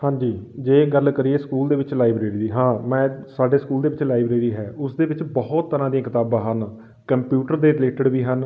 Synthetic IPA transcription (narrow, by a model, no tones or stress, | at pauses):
hãːɲd͡ʒiːd͡ʒeːɡəlkəɾiːeːskuːld̪eːʋɪt͡ʃlaːɪbɾeːɾiːd̪iːɦãːmɛ̃ːsaːɖeːskuːld̪eːʋɪt͡ʃlaːɪbɾeːɾiːɦɛːʊsd̪eːʋɪt͡ʃbɔɦʊt̪ːəɾãːd̪ijãːkɪt̪aːbãːɦən | kəmpjuːʈəɾd̪eːɾɪleːʈəɖʋiːɦən